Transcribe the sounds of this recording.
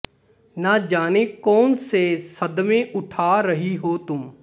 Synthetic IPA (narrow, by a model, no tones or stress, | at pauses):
nad͡ʒaːnekɔːnsesɐd̪mẽʔʊʈʰaːɾɐɦiɦoːt̪ʊm